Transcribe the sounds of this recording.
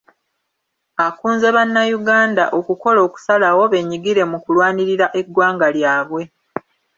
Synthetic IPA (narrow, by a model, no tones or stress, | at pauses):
akuːnze̞βanːajuɡaːnda̰ʔo̞kuko̞lo̞ːku̥salawo̞βe̞ːɲiɡiɾe̞mukulwaːniɾiɾaʔe̞ɡːwaːŋɡaljaːβwe̞